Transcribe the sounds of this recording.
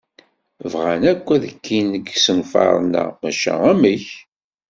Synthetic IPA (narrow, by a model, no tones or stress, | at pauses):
vʁænækʷːæðəkʰːinəɡsənfɑ̰ɾˤnæ̰mæʃæ̰æməç